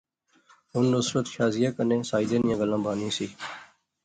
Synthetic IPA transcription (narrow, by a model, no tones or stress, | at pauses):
ɦʊnːʊsɾət̪ʃaːzɪjaːkənẽːsaːid̪ẽːnɪjãːɡəlãːbʱaːnĩːsiː